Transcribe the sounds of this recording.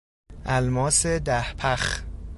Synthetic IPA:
ʔælmɒːsed̪æhpʰæχ

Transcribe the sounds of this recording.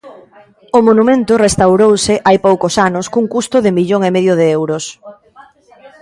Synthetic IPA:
ʊmonumẽnt̪ʊrest̪awɾowsɪʔajpowkʊsanʊskuŋkust̪ʊðɪmiʎoŋemeðjʊðeewɾʊs

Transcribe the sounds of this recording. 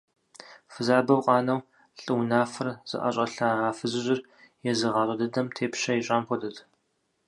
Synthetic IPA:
fɨzaːbɐwqʷʼɑːnɐw | ɬʼɨwnaːfɨrz̥ɨ̰ʔɐ̰ɕʼɐɬɐʁɑːfɨzɨʑɪr | jɛzɨʁɑːrʷʼɐdɨdɐmtʰeːpɕɐjiɕʼaːmpʷʰɔdɨt

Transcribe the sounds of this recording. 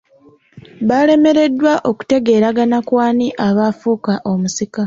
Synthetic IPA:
βale̞me̞ɾe̞dːwaʔo̞ku̥te̞ɡe̞ːɾaɡanakwaːniʔaβafuːkaʔo̞musika

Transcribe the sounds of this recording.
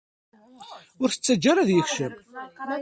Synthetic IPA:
ʊɾθə̥t͡sːæd͡ʒːaɾaðjəçʃəm

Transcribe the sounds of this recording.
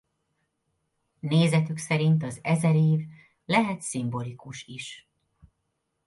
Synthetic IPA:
neːzɛt̪yksɛɾint̪ɒzɛzɛɾeːv | lɛɦɛt̪simbo̞likuʃiʃ

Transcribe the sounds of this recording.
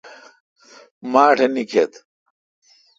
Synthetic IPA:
maːʈʰenikʰet̪

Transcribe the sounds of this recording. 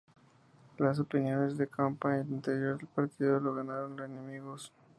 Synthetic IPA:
las̬o̞pinjo̞ne̞zðe̞kʰampaelint̪e̞ɾjoɾðelpaɾt̪iðoloɣanaɾonlosenemiɣos

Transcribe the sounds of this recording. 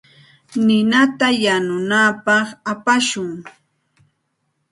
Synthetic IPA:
nɪnat̪ajanʊnapɑχapaʃʊŋ

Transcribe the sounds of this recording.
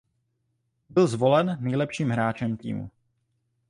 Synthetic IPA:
bɪlzvo̞lɛnːɛjlɛpʃiːmɦɾaːt͡ʃɛmt̪ḭːmṵ

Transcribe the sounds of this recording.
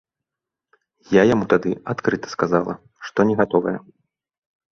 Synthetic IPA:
jajamut̪ad̪ɨat̪kɾɨt̪ɐ̥skazalˠɐ | ʂt̪ɔnʲɛɣat̪ɔvɐjɛ

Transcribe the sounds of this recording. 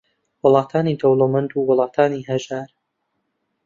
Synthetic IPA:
wʊlˠɑːt̪ʰaːnid̪owlˠomɐnd̪uːwʊlˠɑːt̪ʰaːniɦɐʒaːɾ

